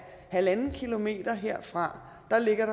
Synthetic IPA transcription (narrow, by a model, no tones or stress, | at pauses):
hælænn̩kʰilo̝me̝̰ːd̥ɐɦeɐ̰fʁɑ̈ | d̥ɑ̈le̝ɡ̥ɐɾ̥ɑ̈